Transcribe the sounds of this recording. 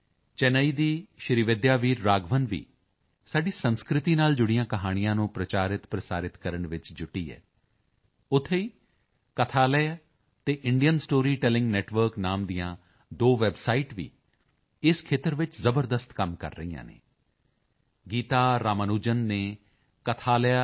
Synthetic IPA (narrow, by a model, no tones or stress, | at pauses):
t͡ʃɛnəiːd̪iːʃɾiʋɪd̪jaːʋiːɾːaːɡʋənʋḭː | saːɖiːsənskɾɪt̪iːnaːld͡ʒʊɽijãːkəɦaːɽ̃ɪjãːnũːpɾət͡ʃaːɾɪt̪pɾəsaːɾɪt̪kəɾəɳʋɪt͡ʃd͡ʒʊʈːḭːɛ̰ː | ʊt̪ʰːeiː | kət̪ʰaːlɛː | t̪eːʔɪɳɖijənsʈoːɾiːʈɛːlɪ̃ŋɡnɛːʈʋəɾknaːmd̪ijãː | d̪oːʋɛːbsaːiʈʋḭː | ɪskʰeːt̪əɾʋɪt͡ʃzəbəɾd̪əst̪kəmkə̰ɾːə̰iːã̰ːnḛː | ɡiːt̪aːɾaːmənuːd͡ʒənːeː | kət̪ʰaːlɛa